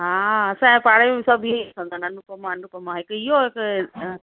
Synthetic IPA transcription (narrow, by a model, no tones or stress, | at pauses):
ɦaːɐsãɛ̃ːpaːɽemẽsɐbʱɪkʰə̃nd̪aːnɐnukɐmãnukɐmãɦɪkɪɦoɦɪk